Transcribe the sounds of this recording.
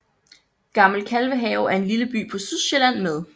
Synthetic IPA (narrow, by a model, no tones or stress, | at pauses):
ɡ̥ɑ̈ml̩kʰælʋəɦɛːʊæɐe̝nliləb̥y̰ːpʰɒ̽syðˠɕelæn̰með̞ˠ